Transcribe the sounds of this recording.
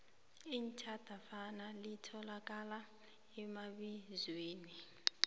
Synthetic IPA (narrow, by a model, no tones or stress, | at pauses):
int͡ʃʰʼad̥ʱafanalitʰɔlak̬ʼala | ɛmaɓizweːni